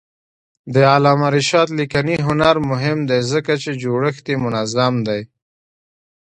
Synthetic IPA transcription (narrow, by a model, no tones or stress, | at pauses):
d̪əalɑːmaɾɪʃɑt̪likaniɦʊnaɾmʊɦɪmd̪ajzəkat͡ʃed͡ʒoɽəxt̪emʊnazamd̪aj